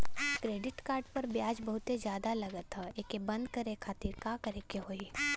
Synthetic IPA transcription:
kɾeːɖɪʈkaːɾɖpɐɾbjaːd͡ʒbɐɦʊt̪ezjaːd̪alɐɡət̪ɦaekebɐ̃nd̪kɐɾekʰaːt̪iːɾkaːkɐɾekeɦoːi

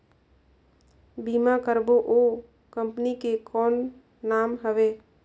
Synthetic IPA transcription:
bimakəɾboʔo | kəmpnikekɔːnː | aːmɦəʋeː

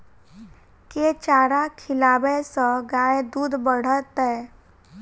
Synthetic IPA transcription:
ket͡ʃaːɾakʰɪlaːbɛsə̃ɡaːed̪uːd̪bəɽ̤ət̪ɦɛː

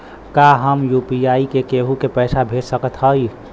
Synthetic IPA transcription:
kaɦəmjupiaikekeɦukepəɪsabʱeʈsəkət̪ɦəj

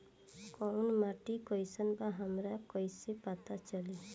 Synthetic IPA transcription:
kɔnmaʈikɔjsɔnbaɦamɾakɔjsepat̪at͡ʃɔli

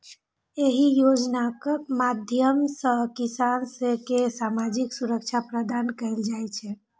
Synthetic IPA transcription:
eɦijod͡ʒnakmad̪ʱjəmsə̃kisansekesamad͡ʒiksuɾək̚t͡ʃʰapɾəd̪ankəjld͡ʒajt͡ʃʰɛ

